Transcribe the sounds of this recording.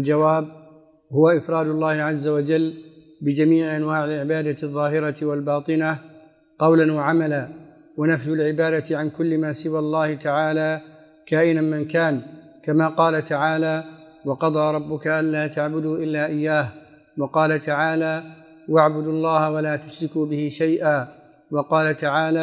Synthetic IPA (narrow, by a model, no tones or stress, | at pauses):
ʔald͡ʒawaːb | hʊwaʔɪfɾˤɑːd̪ʊlˤːɑːhɪʕazːawad͡ʒalː | bɪd͡ʒamiːʕɪʔanwaːʕɪlʕɪbaːd̪aðˤːɑːɦɪɾat̪walbɑːt̪ˤɨna | qɑwlanwaʕamalaː | wanafjʊlʕɪbaːd̪at̪ɪʕankʊlːɪmaːsɪwaːlˤːɑːhɪt̪aʕaːlaː | kaːʔɪnanmɪnkaːn | kamaːqɑːlat̪aʕaːlaː | wɑqɑd̪ˤɑːɾˤɑbːʊkaʔanlaːt̪aʕbʊd̪uʔɪlːaːʔɪjːaːh | wɑqɑːlat̪aʕaːlaː | waʕbʊd̪lˤːɑːhawalaːt̪ʊʃɾɪkuːbɪhɪʃajʔaː | wɑqɑːlat̪aʕaːlaː